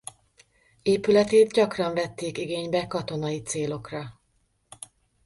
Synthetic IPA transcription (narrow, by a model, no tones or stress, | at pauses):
eːpylɛt̪eːt̪ɟɒkrɒɱvɛt̪ːeːkiɡeːɲbɛkɒt̪o̞nɒjit̪seːlo̞krɒ